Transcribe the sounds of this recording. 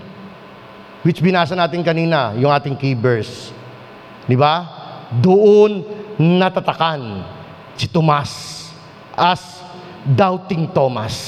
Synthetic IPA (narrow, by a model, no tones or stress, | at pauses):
wɪt͡ʃbɪnaːsɐnaːt̪ɪnkɐniːnɐjʊŋaːt̪ɪŋkiːbɛɹs | d̪ɪbad̪oʔonːɐt̪ɐt̪ɐkan | sɪt̪omas | ʔas | d̪awt̪ɪŋt̪omas